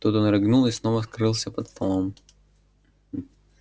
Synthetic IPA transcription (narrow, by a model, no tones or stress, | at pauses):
t̪ut̪onɾɨɡnulˠɪsnovəskɾɨlˠsʲəpət̪t̪olˠom